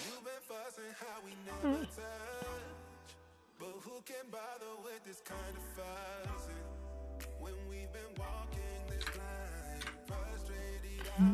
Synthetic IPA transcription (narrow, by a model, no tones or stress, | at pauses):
jubɨ̃nfʌsɪ̃ŋhaʊwinɛətʰʌ | t͡ʃ | b̥ʌt̚hukɨ̃nbɑðə˞wɪððɪskʰãɪ̃ndʌv̥fʌzɪ̃ŋwə̃nwivbɨ̃nwɔkɪ̃ŋðɪslãnfɜst̚ɹeɪɾi